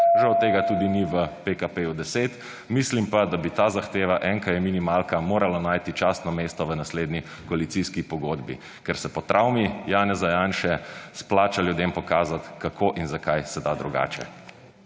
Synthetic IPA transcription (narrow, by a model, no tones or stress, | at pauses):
ʒawt̪eːɡat̪uːd̪iniʋəpekapeːjud̪ɛseːt̪ | mislimpad̪abit̪aːzaxt̪eːʋaʔɛŋkajɛminimalkamoːɾalanaːjt̪it͡ʃast̪nɔmeːst̪ɔʋənasleːd̪ni | kɔalit̪siskipɔɡod̪bḭ | kɛɾsɛpɔt̪ɾʔawmijaːnɛzajaːnʃɛsplaːt͡ʃaljud̪empɔkaːzat̪kakʰoʔinzakajsɛd̪aːd̪ɾuɡa̰ːt͡ʃɛ̰